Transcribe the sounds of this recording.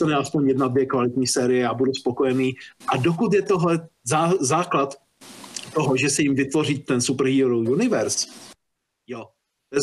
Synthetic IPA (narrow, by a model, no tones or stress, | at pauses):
t̪anɛaspo̞ɲjɛdnadvjɛkvalɪt̪ɲiːsɛːɾɪjɛjabuduspo̞ko̞jɛniːʔadokut̪̬jɛt̪oɦlɛzazaːklat̪ | t̪oɦoʒɛsɛjɪmvɪt̪vo̞riːt̪ːɛnsup̩ɦiɾowjunɪvɛɾs | jo | ɛ